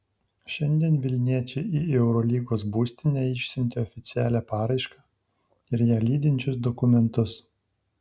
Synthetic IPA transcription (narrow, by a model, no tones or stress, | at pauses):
ʃʲɛnʲd̪ʲiɛnʋʲɪlʲnʲiɛt͡ʃʲɛɪiːɛʊɾɔlʲiːɡoːsbuːsʲt̪ʲɪnʲæːɪʃʲsʲɪnʲt̪ʲeɔfʲɪt̪sʲɪæːlʲæːpɑːɾɐɪʃkɑː | ɪɾjæːlʲiːd̪ʲɪnʲt͡ʃʲʊsd̪ɔkʊmʲɛnt̪ʊs